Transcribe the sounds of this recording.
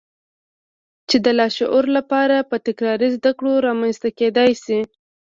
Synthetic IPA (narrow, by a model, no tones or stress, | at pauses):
t͡ʃed̪əlɑʃʊ̰ʔoɾlapɑɾapət̪ɪkɾɑɾizd̪akɽoɾɑmanst̪aked̪ɑjsi